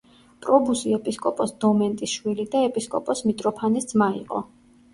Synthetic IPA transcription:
pʼɾɔbusiɛpʼiskʼɔpʼɔsd̪ɔmɛnt̪ʼisʃwilid̪aɛpʼiskʼɔpʼɔsmit̪ʼɾɔpʰanisd̪zmaḭqʼɔ̰

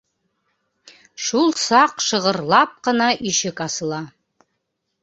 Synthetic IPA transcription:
ʂulˠsaqʂɨʁərlɑp̚qənaʔiʃɪkʼasɨlˠa

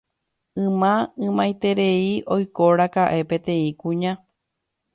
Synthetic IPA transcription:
ɨ̃mãɨ̃mãjt̪e̞ɾe̞iʔo̞jkoɾakaʔe̞pẽ̞t̪ẽ̞ĩkũɲã

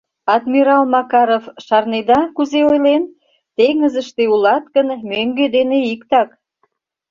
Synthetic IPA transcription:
ɑd̪miɾɑlmɑkɑɾofʃɑrned̪ɑkuzeojlen | t̪eŋəzəʃt̪eulɑt̪kənmøŋɡed̪eneikt̪ɑk

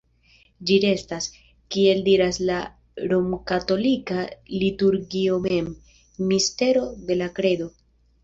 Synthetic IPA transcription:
d͡ʒiɾe̞stas | kie̞ldiɾasla | ɾo̞mkato̞likalituɾɡio̞me̞mː | iste̞ɾo̞de̞lakɾe̞do̞

